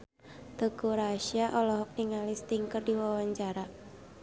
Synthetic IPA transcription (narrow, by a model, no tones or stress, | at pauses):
d̪̥o̤ɡ̥uɾaʃiaʔɔlɔɦɔk̚niŋalɪst̪iŋkərdiwawaɲt͡ʃaɾa